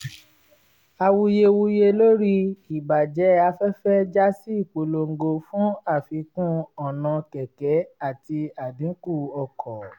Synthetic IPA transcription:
a˧wu˧je˧wu˧je˧lo˦ɾi˦i˨ba˨d͡ʒɛ˨˦a˧fɛ˦fɛ˦d͡ʒa˦si˦i˦˨k͡po˨lo˧ŋ̩˨ɡo˧fũ˦a˦˨fi˧kũ˦ɔ˦˨nã˧kɛ˨kɛ˨˦a˦˨ti˧a˨dĩ˨˦ku˦˨ɔ˧kʰɔ˨

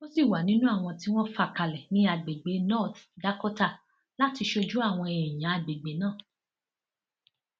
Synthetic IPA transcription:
mo˦si˦˨wa˨˦nĩ˦nũ˦a˦˨w̃ɔ̃˧ti˦w̃ɔ̃˦fa˦˨ka˧lɛ˨nĩ˨˦a˧ɡ͡be˨ɡ͡be˨˦nɔ˦˨t̪da˨˦kɔ˦ta˦˨ | la˦ti˧ʃo˧d͡ʒu˦a˦˨w̃ɔ̃˧e˨ɛ˨j̃ã˨˦a˧˨ɡ͡be˨ɡ͡be˨˦nãː˦˨

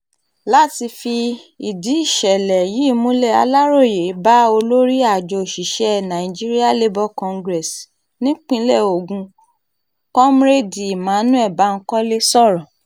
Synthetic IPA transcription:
la˦ti˧fi˧i˨di˨˦i˦˨ʃɛ˨lɛ˨ji˨˦˨mũ˦lɛ˦˨a̰˧la˦ɾo˦˨je˨˦ba˦o˧lo˦ɾi˦a˦˨d͡ʒɔ˧˨ʃi˨ʃɛ˦˨nã˨ĩ˨d͡ʒi˦ɾi˦a˦˨le˦bɔ˦kɔ̃˧ŋɡɾɛ˨s | nĩ˦k͡pĩ˦lɛ˦˨o˨ɡũ˧ | kɔ˦m˦ɾe˦di˨i˨mã˨˦nũ˦ɛ˦˨ba˨˦ŋ̩˦kɔ˦le˦sɔ˦˨ɾɔ̃˨

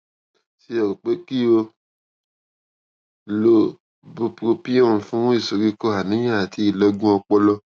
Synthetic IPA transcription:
si˧˦ɔ˨o˨k͡pe˦ki˦o˧ | lo˦ | bu˧pɾo˧pi˦ɔ̃˦˨fũ˦i˦˨so˨ɾi˦˧ko˦a˨nĩ˨˦jã˦˨a˨tʰi˨˦i˨lɔ˧ɡũ˦ɔ˧k͡pɔ˦lɔ˧

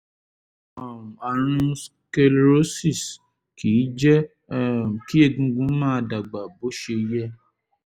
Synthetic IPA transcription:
a˨wũ˨a˨ɾ̃ũ˧s | ke˧lɾo˦si˦˨s | ki˨˦d͡ʒɛ̃˦˨ | ki˦e˦˨ɡũ˧ɡũ˨˦mãː˦˧da˨ɡ͡ba˨bo˨˦ʃe˧jɛ˦

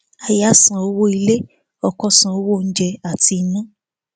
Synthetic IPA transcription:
a˨ja˦sã˨o˧˦wo˦i˧le˦ | ɔ˧kɔ˧sã˨o˦wo˦˨n̩˦d͡ʒɛ˧a˨ti˧nã˦

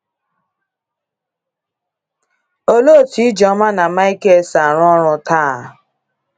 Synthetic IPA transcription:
o˦lo˦˨tʰi˨˦d͡ʒɔ̃˨˦mã˦nã˨ma˦i˦ke˦˨sa˨ɾ̃ɔ̃˦ɔ˦ɾ̃ɔ̃˧ta˦˨

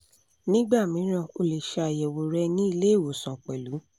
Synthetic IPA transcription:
nĩ˦ɡ͡ba˦˨mĩ˨˦ɾ̃ã˦˨o˧le˨ʃa˧a˨jɛ˨wo˨ɾɛ˧nĩ˦i˧le˦e˦˨wo˨sã˨k͡pɛ˨lu˨˦

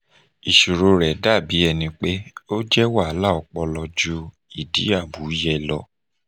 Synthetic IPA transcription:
i˨ʃu˨ɾo˨˧ɾɛ˨da˦˨bi˨˦ɛ˧nĩ˧k͡pe˦o˦d͡ʒɛ˦wa˦˨˦la˦˨ɔ˧k͡pɔ˧lɔ˧d͡ʒu˦ | i˦˨dḭ˨˦a˦˨bu˨˦jɛ˧lɔ˧˦

